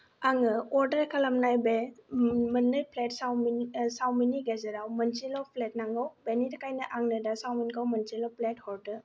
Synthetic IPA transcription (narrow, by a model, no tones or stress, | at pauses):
aŋɯɔɾdɐɾkʰalamnajbe | mənːɯjpʰletsawmsawminiɡezeɾawmənsilɔpʰlet̚naŋɡawbenitakajnɐʔaŋnɐdasawminkawmɐnsilɔpʰlet̚hɔɾtɯ